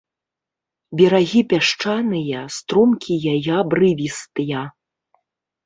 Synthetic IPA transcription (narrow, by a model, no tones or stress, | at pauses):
bʲɛɾaɣʲipʲaʂt͡ʂanɨjɐst̪ɾumkʲijajabrɨvʲist̪ɨjɐ